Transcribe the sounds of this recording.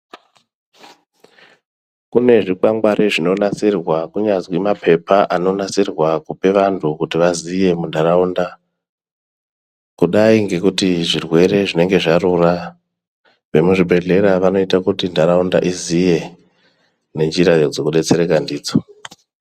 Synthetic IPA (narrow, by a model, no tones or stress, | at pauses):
kune̞ʐikwaŋɡwaɾʔeʐino̞nat͡sirwakuɲad͡zwimapʰe̞paʔano̞nat͡sirwakupe̞ʋantʰukutiʋazije̞mundʱaɾaunda | kuɗaiŋɡe̞kutiʐirwe̞ɾe̞ʐine̞ŋɡe̞ʐaɾura | ʋe̞muʐibʱe̞ɮe̞ɾaʋano̞itakutindʱaɾaunda̰ʔizije̞ | ne̞nd͡ʒiɾajod͡zo̞kuɗe̞t͡se̞ɾekandiːd͡zo